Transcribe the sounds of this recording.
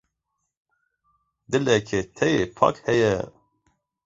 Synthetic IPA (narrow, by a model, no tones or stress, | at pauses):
d̪ɨlɛkʰet̪ʰɛjepʰɑ̰ːkhɛjɛ̰